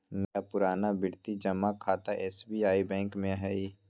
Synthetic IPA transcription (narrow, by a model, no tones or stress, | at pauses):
nəjapʊɾaːnabɪɽt̪id͡ʒɐmːakʰaːt̪aʔɛːsbiaːibɛ̃ːŋkmẽɦɛi